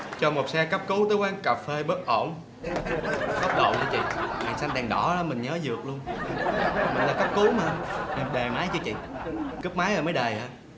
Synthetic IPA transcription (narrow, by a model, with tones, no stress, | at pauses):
t͡ɕɔ˧mo˨˩t̚sɛ˧kə˦˥p̚ku˨˦t̪əː˨˦jkwaː˨˧˦nkaː˨˩pfe˧ɓə˦˥t̚ʔo˧˩ŋ͡m | xɔ˦˥p̚ɗə̰˧˨wt͡ɕɔ˧t͡ɕḭ˧˨ŋaː˨˩sa˧nɗɛ˨˩ŋɗɔ˧˩a˨˦mï˨˩ŋɲəː˨˦zɨ˨˩ək̚lu˧ən˨˩ | mï˨˩ŋ̟laː˨˩kə˦˥p̚ku˨˦maː˨˧˨ɗə˨˩jmaː˨˦jt͡ɕɨ˧t͡ɕḭ˧˨kɨ˦˥p̚maː˨˦jʔəː˨˩məː˨˦jɗə˨˩jʔaː˨˧˩